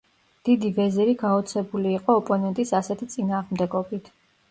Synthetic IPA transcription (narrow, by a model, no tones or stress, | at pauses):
d̪̥id̪ivɛzɛɾiɡaɔt̪sʰɛbuliːqʼɔːpʼɔnɛnt̪ʼisasɛt̪ʰit̪sʼinaːʁmd̪ɛɡɔbit̪ʰ